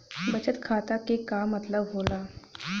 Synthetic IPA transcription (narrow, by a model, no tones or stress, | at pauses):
bɐt͡ʃət̪kʰaːt̪akekaːmːɐt̪ləbɦoːlaː